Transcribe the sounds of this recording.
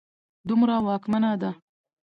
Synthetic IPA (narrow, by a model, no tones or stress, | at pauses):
d̪ʊmɾawɑːkmanad̪a